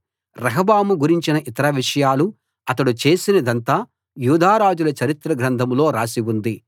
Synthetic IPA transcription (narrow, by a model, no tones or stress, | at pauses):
ɾɐɦɐbaːmuɡuɾiɲt͡ʃinɐʔit̪ɐɾɐʋiʂɐjaːlu | ɐt̪ɐɽut͡ʃe̞ːsinɐd̪ɐnt̪aː | juːd̪ʱaːɾaːd͡ʒulɐt͡ʃɐɾit̪ɾɐɡɾɐnd̪ʱɐmlo̞ːɾaːsiwund̪i